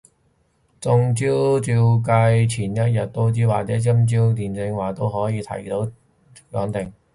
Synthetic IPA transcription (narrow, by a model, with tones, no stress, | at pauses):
t͡sʊ˧ŋt͡siː˥wt͡syː˧wkɐ˧jt͡sʰiː˨˩njɐ˥t̚jɐ˨t̚t̪o˥wt͡siː˨˥waː˨˩t͡sɛː˨˥t͡si˥mt͡siː˥wt̪iː˨˩nt͡sɪ˧ŋwaː˨˩t̪o˥wɦɔː˨˥jiː˨˧t̪ʰɐ̰˨˩jt̪o˨˥w̚ | lœː˨˧˥ŋt̪ɪ˨˩ŋ